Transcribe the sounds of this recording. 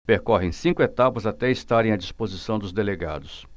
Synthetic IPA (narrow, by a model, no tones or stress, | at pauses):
peɾkɔɦẽsĩŋkʊet̪apɐzat̪ɛist̪aɾẽj̃ɐd͡ʒispozisɐ̃w̃d̪ʊzd̪eleɡa̰d̪ʊs